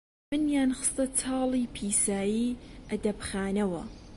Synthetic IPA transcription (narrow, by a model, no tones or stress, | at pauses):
mɨnjaːnxɨ̥st̪ɐt̪ʰɑːliːpʰiːsaːjiːʔɐd̪ɐbxaːnɐwɐ̰